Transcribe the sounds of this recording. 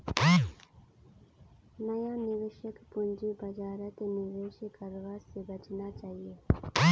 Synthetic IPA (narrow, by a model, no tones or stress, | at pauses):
nəjãːnɪʋɪʃəkpʊnd͡ʒibəd͡ʒaːɾət̪enɪʋeːʃəkəɾʋaːzsebət͡ʃnat͡ʃaːɦieː